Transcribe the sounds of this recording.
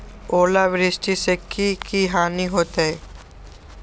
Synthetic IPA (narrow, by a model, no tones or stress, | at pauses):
oːlaʋɪɾɪsʈisekikiɦaːniɦoːt̪aɦɛ